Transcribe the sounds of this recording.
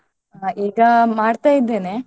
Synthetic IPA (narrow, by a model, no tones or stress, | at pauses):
aiːɡɐmaːɽt̪aːjid̪ːeːneː